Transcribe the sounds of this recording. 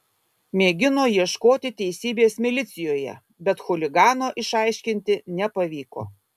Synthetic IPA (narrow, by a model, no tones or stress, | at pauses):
mʲeːɡʲɪnoːjiɛʃkoːt̪ʲɪt̪ʲɛɪsʲiːbʲeːsmʲɪlʲɪt̪sʲɪjoːjɛ̰ | bʲɛt̪xʊlʲɪɡɑːnoːʔɪʃɑˑɪʃʲkʲɪnʲt̪ʲɪnʲɛpɐʋʲiːko̰ː